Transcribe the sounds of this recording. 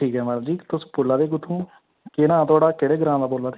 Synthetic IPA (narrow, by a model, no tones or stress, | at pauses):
ʈʰiːkɦɛːmɛːɽãd͡ʒiːt̪ʊspoːlːaːd̪eːɡʊt̪ʰːũː | kɪnãːt̪ʊaːɽaːkeɽeːɡəɾãːd̪aːboːlaːd̪e